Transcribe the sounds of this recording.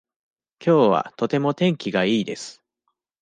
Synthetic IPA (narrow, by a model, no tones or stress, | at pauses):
kʲʰo̞ːβa̰t̪o̞t̪e̞mo̞t̪ẽ̞ŋkʲiɡaiːd̪e̞sɨ̥